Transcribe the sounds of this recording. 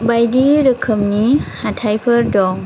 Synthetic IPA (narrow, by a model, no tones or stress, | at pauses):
bajdiɾɯkʰɯmnihatʰajpʰəɾdɔŋ